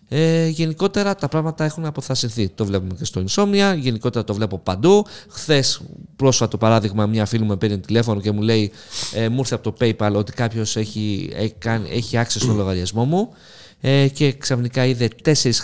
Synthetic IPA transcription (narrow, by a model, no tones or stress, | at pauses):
eʝe̞niko̞t̪e̞ɾɐt̪ɐpɾɐɣmɐt̪ɐe̞xunɐpo̞θɐsinθit̪o̞vle̞pume̞ce̞st̪o̞inso̞miɐʝe̞niko̞t̪e̞ɾɐt̪o̞vle̞po̞pɐnd̪uxθe̞spɾo̞sot̪o̞pɐɾɐðiɣmɐmɲɐfilumepeɾiont̪ile̞fo̞no̞ce̞mule̞i | emuiɾθeɐpo̞t̪o̞pe̞jpɐlo̞t̪i̥kɐpço̞seikɐnieçiɐksist̪onlo̞ɣɐɾʝɐzmo̞mu | ece̞ksɐfnikɐiðe̞t̪e̞se̞ɾis